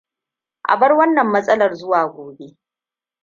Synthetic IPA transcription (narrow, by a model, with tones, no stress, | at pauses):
ʔa̰˨bɐ˦rwɐ˦nːɐ˨mːɐ˦sʼɐ˦lɐ˨rzʊ˦waː˨ɡʷoː˨be˦